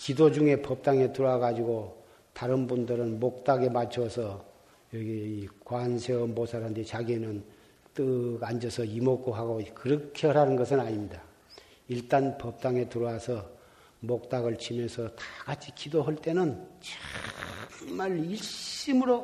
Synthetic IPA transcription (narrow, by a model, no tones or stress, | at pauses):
kidod͡ʑuŋe̞pʌp̚t͈aŋe̞tuɾoaɡad͡ʑiɡo | taɾɯnbundɯɾɯnmok̚t͈aɡe̞mat͡ɕʰʌsʰʌ | jʌɡiikwansʰeʌmbosʰaɾandet͡ɕaɡienɯn | t͈ɯɡand͡ʑʌsʰʌimok͈oɦaɡokɯɾʌkʰeɾanɯnɡʌsʰɯnaɲimɲida | iɭt͈anpʌp̚t͈aŋe̞tuɾʌwasʰʌ | mok̚t͈aɡɯɭt͡ɕʰimjʌnsʰʌtḁkat͡ɕʰikidoɦʌɭt͈e̞nɯnt͡ɕḁ | maɭiɭɕɕ͈imɯɾo